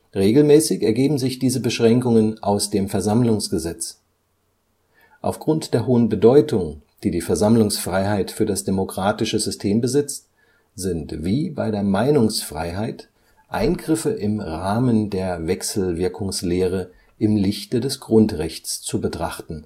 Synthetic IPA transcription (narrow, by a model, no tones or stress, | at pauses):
ʁeːɡl̩mɛːsɪçɛɐɡeːbm̩zɪçd̥iːzəbəʃʁ̥ɛŋkʊŋənʔaʊsd̥eːmfɛɐzamlʊŋsɡ̥əzɛt͡s | ʔa̰ʊfɡ̥ʁʊntd̥eːɐɦoːənbədɔʏtʊŋd̥iːdiːfɛɐzamlʊŋsfʁ̥aɪɦaɪtfyːɐdasd̥emokʁ̥aːtɪʃəzʏstʰeːmbəzɪt͡st | z̥ɪntv̥iːbaɪɾeːɐmaɪnʊŋsfʁ̥a̰ɪɦaɪt | ʔa̰ɪnɡʁɪfəʔɪmʁaːməndeːɐvɛksl̩vɪɐkʰʊŋsleːʁ̞ə | ʔɪmlɪçtədɛsɡ̥ʁʊntʁɛçt͡st͡subətʁ̥aχtn̩